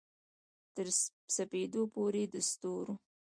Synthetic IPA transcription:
t̪əɾ | saped̪opoɾed̪əst̪oɾo

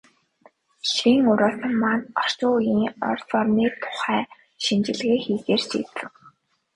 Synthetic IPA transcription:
ʃiŋʊɾɔːt̪ə̆mmanɔr̥t͡ɕʊːjiːŋɔ̰rt͡sɔrniːt̪ʰʊ̥χæː | ʃint͡ɕɪ̆ɮɣeːxiːt̪eːrt͡ɕḭːt̪ɘ̆w

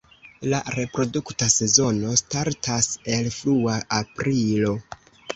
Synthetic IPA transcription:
laɾe̞pɾo̞duktase̞zo̞no̞staɾtʰase̞lfluaapɾilo̞

